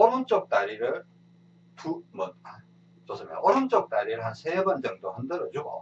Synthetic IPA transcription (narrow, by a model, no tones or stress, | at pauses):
ʌɾunt͡ɕ͈ʌk̚t͈aɾiɾɯɭ | tumʌt̚ha | t͡ɕ͈os͈ʰɯmjʌ̰nʔʌɾunt͡ɕ͈ʌk̚t͈aɾiɾɯɭɦansʰebʌnd͡ʑʌŋdohɯndɯɾʌd͡ʑuɡo̰